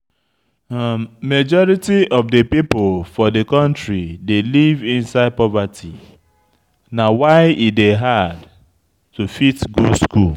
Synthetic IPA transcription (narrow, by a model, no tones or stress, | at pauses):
mad͡ʒɔɹitiɔvdepipolfɔdekɔ̃ntɹidelivĩnsaɪd̚pɔvatʰi | nawaɪideɦad | tufitɡuskṵl